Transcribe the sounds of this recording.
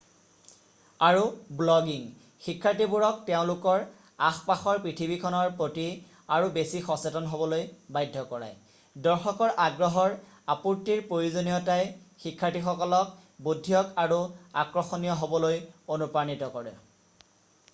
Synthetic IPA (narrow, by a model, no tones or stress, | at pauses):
aɹublɔɡiŋ | xikʰːatibuɹɔk̚teʊ̃lukɔɹ | axpaxɔɹpɹitʰibikʰɔnɔɹpɹoti | aɹubesixɔsetɔnɦobɔlojbajdʱːɔkɔɹa̰j | dɔɹxɔkɔɹʔaɡɹɔɦɔɹ | apuɹtiɹpɹojuzonijɔtajxikʰːatixɔkɔlɔk̚ | budʱːijɔkaɹua̰kɹɔxonijɔɦobɔlojonupɹanitɔkɔɹɛ̰